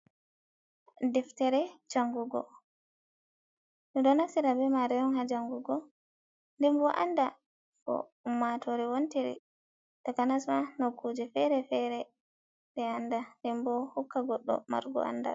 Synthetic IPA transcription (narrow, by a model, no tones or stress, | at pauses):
dɛftɛɾɛd͡ʒaŋɡuɡɔ̰ | nɔdɔnasiɾabɛmaɾɛjɔnhad͡ʒaŋɡuɡɔ | ndɛmbɔʔanda | kɔ̰umːatɔɾɛwontiɾḭ | takanasmanokʰːud͡ʒɛfɛɾɛfɛɾɛ | ɗɛandandɛmbɔhukːaɡɔɗːɔ̰ma̰ɾɡɔ̰a̰nda̰